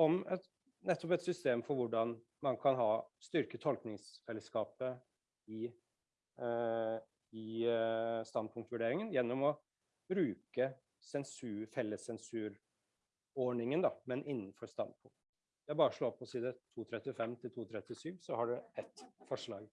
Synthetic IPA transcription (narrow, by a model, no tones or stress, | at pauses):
ɔmɛt̪ | nɛt̪ːɔpɛt̪sʏst̪eːmfɔɾʋʊɖɑn | mɑnkʰɑnɦɑːst̪ʏɾkət̪ʰɔlknɪŋsfɛlːəskɑːpə | ɪ | ɪ | st̪ɑnd̪̚pʰʊŋkt̪ʋʉɖeːɾɪŋənjɛnːɔmɔ | bɾʉːkə | sɛnsʉːfɛlːəsɛnsʉːɾ | ɔɳɪŋənd̪ɑmɛnɪnːənfɔɾst̪ɑ̰nd̪̚pʰʊŋk̚t̪ | jæɪbɑːɾəʂɭoːpʰɔsiːd̪ət̪ʰuːt̪ʰɾɛt̪ːɪfɛmːt̪ʰɪlt̪ʰuːt̪ʰɾɛt̪ːɪsyːʋsɔhɑɖʉɛt̪fɔʂɭɑːɡ